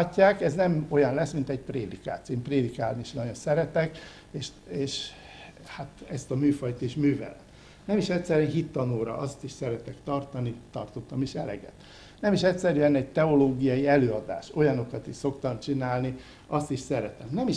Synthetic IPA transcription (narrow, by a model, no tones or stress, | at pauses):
cːaːkɛznɛmo̞jɒnlɛsmint̪ɛɟpreːd̪ika̰ːt̪eːmpreːd̪ikaːlniʃnɒjonsɛɾɛt̪ɛk | eːʃ | eːʃ | hat̪ɛst̪ɒmyːfɒjt̪iʃmyːvɛ̰lɛ̰t̪ | nɛmiʃɛct̪sɛɾyɛnɦit̪ːɒnoːɾɒ̰ʔɒst̪iʃsɛɾɛt̪ɛkt̪ɒrt̪ɒnit̪ɒ̰rt̪ot̪ːɒmiʃɛlɛ̰ɡɛ̰t̪ | nɛmiʃɛcʲsɛɾyɛnɛɟ̚t̪ɛo̞loːɡijɒjiɛløːɒd̪a̰ːʃo̞jɒno̞kɒt̪iʃso̞kt̪ɒmt͡ʃinaːlni | ɒst̪iʃsɛɾɛt̪ɛmnɛmiʃ